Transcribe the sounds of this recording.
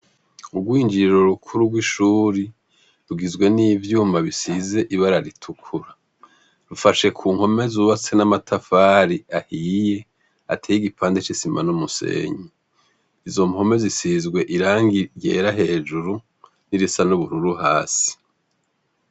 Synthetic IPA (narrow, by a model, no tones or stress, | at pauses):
ubɡwiːnd͡ʒiɾiɾoɾukʰuɾuɡwiʃuːɾi | ɾuɡizɡwe̞niːvjuːmaβisize̞ʔiβaɾaɾitʰukʰuɾa | ɾufaʃe̞kʰuːŋho̞me̞zuβat͡se̞namatʰafaːɾiahiːje̞ | a̰tʰeːjiɡipʰaːndet͡ʃisima̰numuse̞̰ːɲi | izo̞mho̞me̞zisizɡwe̞ʔiɾaːŋɡije̞ːɾaɦe̞ːd͡ʒuɾu | niɾisanuβuɾuɾuɦaːsi̥